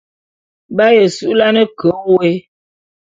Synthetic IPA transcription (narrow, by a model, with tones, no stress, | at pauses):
ba˦jə˨su˦ʔla˦nə˦kʰo˨˦we˦